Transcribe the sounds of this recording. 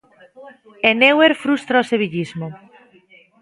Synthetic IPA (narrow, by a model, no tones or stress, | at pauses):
eneweɾfɾust̪ɾaoseβiʎizmo